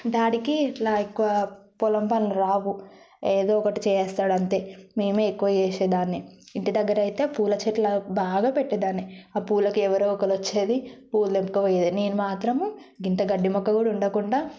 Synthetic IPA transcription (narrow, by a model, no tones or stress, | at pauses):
d̪aːɽikilaːikːuʋɐpɔlɐmpɐnluɾaːʋu | eːd̪oːɔkɐʈit͡ʃɛːjɛːst̪aːɽɐnt̪e̞ːmeːmeːekːuʋɐjeːseːd̪aːnːiː | ɳʈid̪ɐɡːɐɾɐjit̪e̞ːpuːlɐt͡ʃeʈlɐbaːɡaːpeʈːid̪aːnːiaːpuːlɐkuɛʋɐɾoːɔkɐlʋɐt͡ʃːeːd̪ipuːld̪empukuʋɐjed̪ineːnumaːt̪ɾɐm | ɡint̪ɐɡɐɖːimɔkːɐkuːɽuɳɖɐkuɳɖaː